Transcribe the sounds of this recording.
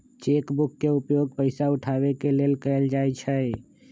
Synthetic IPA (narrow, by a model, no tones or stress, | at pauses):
t͡ʃeːkbʊkːeupjoːɡ̚pəɪsaʊʈʰawekeleːlkəeld͡ʒaːjt͡ʃʰəe